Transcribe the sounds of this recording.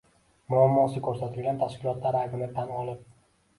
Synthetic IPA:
mʊamːɒsɪkʰɵɾsat̪ʰɪlɡʲant̪ʰaʃkʲɪlˠɒt̪ʰlaɾaɡɪnat̪ʰːanɒlˠɪp̚

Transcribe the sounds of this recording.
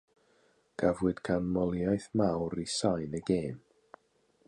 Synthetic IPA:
ɡ̥avwɨd̥ɡʰanmɔlˠjajθmawɾisajnəɡeːm

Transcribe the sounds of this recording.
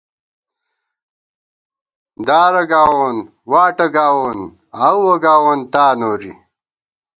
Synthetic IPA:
d̪aːɾɐɡaːwoːn | waːʈɐɡaːwoːn | awwɐɡaːwont̪aːnoːɾḭ

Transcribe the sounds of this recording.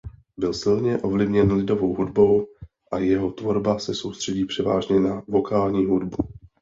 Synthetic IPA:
bɪlsɪlɲɛʔo̞vlɪvɲɛnlɪdo̞vo̞wɦudbo̞w | ʔajɛɦo̞t̪vo̞ɾbasɛso̞wst̪r̥ɛɟiːpr̝̥ɛva̰ːʒɲɛnavo̞kaːlɲiːɦudbu

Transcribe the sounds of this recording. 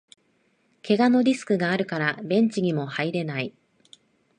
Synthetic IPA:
kʰe̞ɡano̞ɾʲisɨ̥kɯ̟ɡaːɾɯ̟kaɾabẽ̞ɲ̟t͡ɕiɲ̟imo̞haiɾe̞nai

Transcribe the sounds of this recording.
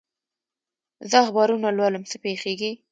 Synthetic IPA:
zəaxbɑɾunalwaləmsəpexeɡi

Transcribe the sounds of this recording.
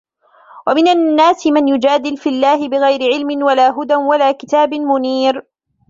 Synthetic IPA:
wamɪnanːaːsɪmanjʊd͡ʒaːd̪ɪlfilːaːhɪbɪɣajɾɪʕɪlmɪnwalaːɦʊd̪anwalaːkɪt̪aːbɪmʊniːɾ

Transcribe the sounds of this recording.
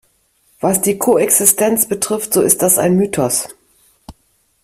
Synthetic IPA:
v̥asd̥iːkʰoɛksɪstʰɛnt͡sb̥ətʁ̥ɪftz̥oɪst̚d̥asa̰ɪnmyːtʰɔs

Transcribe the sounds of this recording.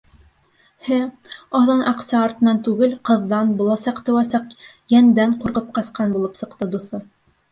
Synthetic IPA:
hɘ | ɑðɤnʔɑqsɑːɾt̪ɤ̆nɑnt̪ʉɡɘlqɤ̆ðːɑnbulˠɑsɑqt̪ɵ̆wæsɑq | jænd̪æɴquɾqɤp̚qɑsqɑnbulˠɤpsɤ̆qt̪ɤd̪uθɤ

